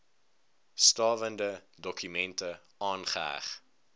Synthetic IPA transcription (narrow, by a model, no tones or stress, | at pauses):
stɑːvəndədɔkʰymɛntə | ɑːnχəæ̰χ